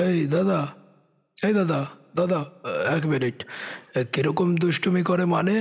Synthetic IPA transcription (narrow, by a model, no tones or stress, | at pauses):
ejd̪ad̪a | ejd̪ad̪ad̪ad̪aɛkbeleʈkiɾɔkomd̪uʃʈumikɔɾemane